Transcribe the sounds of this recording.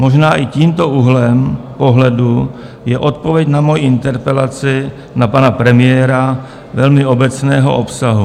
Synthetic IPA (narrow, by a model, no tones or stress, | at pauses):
mo̞ʒnaːʔɪciːmt̪o̞ʔuɦlɛmpo̞ɦlɛdu | jɛʔo̞t̪̚po̞vjɛcnamo̞jiɪnt̪ɛɾpɛlat͡sɪ | napanapɾɛmɪjɛːɾa | vɛlmɪo̞bɛt͡snɛːɦo̰ʔopsaɦu